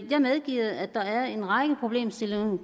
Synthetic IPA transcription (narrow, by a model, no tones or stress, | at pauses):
jɑ̈ɪmeð̞ˠɡ̥ḭːð̩ˠæd̥ɑ̈æɐe̝nʁɑ̈ɡ̥əpʰʁo̝b̥le̝̰ːmsel